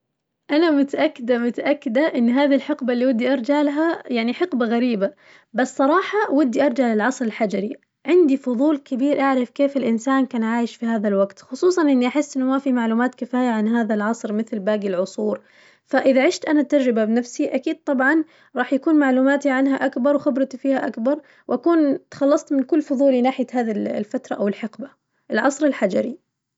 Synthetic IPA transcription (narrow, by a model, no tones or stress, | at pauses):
ʔanamʊt̪aʔakːɪd̪amʊt̪aʔakːɪd̪aʔɪnːɦaːðilħɪqbalːiwad̪ːiʔɑɾˤd͡ʒaʕlɦajaʕniħɪqbaɣaɾiːba | basːˤɑɾˤɑːħɑwʊd̪ːiʔɑɾˤd͡ʒaʕlɪlʕɑsˤɾɪlħad͡ʒaɾi | ʕɪnd̪ifʊðˤuːlkɪbiːɾʔaʕɾɪfkeːfɪlʔɪnsaːnkaːnʕaːjɪʃfihaːðalwaɡt̪xʊsˤuːsˤɑnʔɪnːiʔaħɪsːʔɪnːʊmafimaʕluːmaːt̪kɪfaːjaʕanɦaːðalʕɑsˤɾmɪθlbaːɡilʕʊsˤuːɾ | faʔɪðaʕɪʃt̪ʔanat̪ɑɾˤɾɪbabɪnafsiʔakiːd̪̚t̪ˤɑbʕɑn | ɾˤɑːħjakuːnmaʕluːmaːt̪iʕanɦaʔakbɑɾˤwxɪbɾˤɑt̪fiːhaʔakbɑɾˤ | wʔakuːnt̪xɑlːɑsˤt̪mɪnkʊlːfʊðˤuːlinaːħɪjahaːðilfat̪ɾˤɑʔawɪlħɪqba | ʔɪlʕɑsˤɾɪlħad͡ʒaɾi